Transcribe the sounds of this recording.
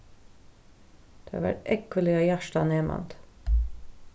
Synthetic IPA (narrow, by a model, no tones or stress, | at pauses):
d̪̥eɑ̰ʋæ̰ʈɛkəlɪɑːjæʃʈɑneːmʔɑ̰nt̪